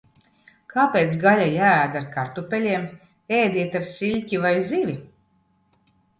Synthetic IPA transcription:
kʰaːpʲeːt̪sɡalʲajæːd̪aɾkaɾt̪upʲɛlʲiɛm | ɛːjd̪ʲiɛt̪aɾsilʲcʲivajzivʲi

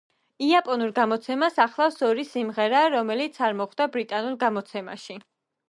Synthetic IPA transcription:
iapʼɔnuɾɡamɔt̪sʰɛmasaχlˠafsɔɾisimʁɛɾaɾɔmɛlit̪sʰaɾmɔχd̪abɾit̪ʼanuɾɡamɔt̪sʰɛma̰ʃi

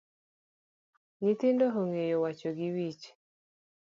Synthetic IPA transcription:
ŋɪt̪ɪndoɦoŋejowat͡ʃoɡɪwit͡ʃ

